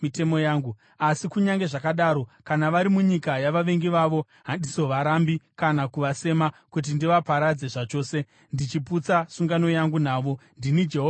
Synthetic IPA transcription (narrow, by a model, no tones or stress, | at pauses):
ite̞mo̞jaːŋɡu | asikuɲaŋɡe̞ʐakaɗaɾo̞kanaʋaɾimuɲikajaʋaʋe̞ŋɡiʋaʋo̞ | ɦandiso̞ʋaɾambikanakuʋase̞makut̬indiʋapaɾad͡ze̞ʐat͡ʃo̞ːse̞ | ndit͡ʃiput͡sasuŋɡano̞jaŋɡunaːʋo̞ndinid͡ʒeɦoː